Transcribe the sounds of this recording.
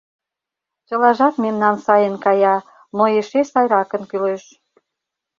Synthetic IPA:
t͡ɕə̆lɑʒɑt̪memnɑnsɑjə̆nkɑjɑ | noeʃesɑjɾɑkə̆nkyleʃ

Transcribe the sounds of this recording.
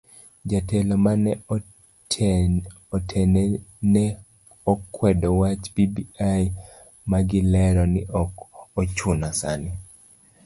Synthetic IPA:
d͡ʒatɛlɔman | ɔtʰɛnɛnɛ | ɔkʰːwɛdɔwat͡ʃpibiaj | maɡɪlɛɾɔnɪʔɔkɔt͡ʃʊnasa̰ni

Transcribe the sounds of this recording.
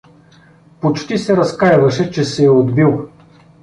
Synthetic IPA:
pot͡ʃt̪isɛɾɐskajvɐʃɛt͡ʃɛsɛɛod̪bilˠ

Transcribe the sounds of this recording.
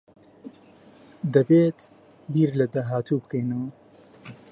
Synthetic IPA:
d̪ɐbeːt̪ | biːɾlɐd̪aɦaːt̪uːbɨkɐjnɨw

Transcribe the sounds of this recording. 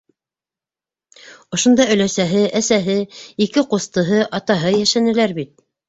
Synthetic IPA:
ŏʃŏnd̪ɑɵ̆læsæɦɘʔæsæɦɘikɘqust̪ɤ̆ɦɤʔɑt̪ɑɦɤjæʃænɘ̆læɾbit̪̚

